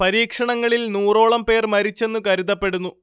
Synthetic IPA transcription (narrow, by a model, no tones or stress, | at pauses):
pɐɾiːkʂɐɳɐŋːɐɭilnuːro̞ːɭɐmpe̞ːrmɐɾit͡ɕːe̞nːukɐɾuðɐpːeɽunːu